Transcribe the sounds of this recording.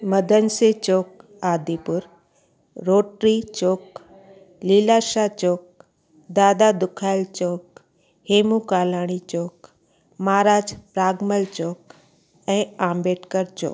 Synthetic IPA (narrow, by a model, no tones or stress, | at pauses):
məd̪ʱənset͡ʃoːk̚ | aːd̪ipʊɾ | ɾoːʈɾit͡ʃoːk | lilaːʃat͡ʃoːk̚ | d̪aːd̪ad̪ʊkʰaːjlt͡ʃoːk̚ | heːmukaːlaːɽ̃it͡ʃoːk | maːɾaːd͡ʒpɾaːɡməlt͡ʃoːk | ɛ̃ãːmbeːʈkəɾt͡ʃo̰ːk